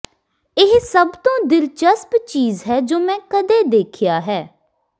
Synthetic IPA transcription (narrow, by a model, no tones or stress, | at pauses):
ɪɦsəbt̪õːd̪ɪlt͡ʃəspt͡ʃiːzɦɛːd͡ʒoːmɛ̃ːkəd̪eːd̪eːkʰɪjaːɦɛː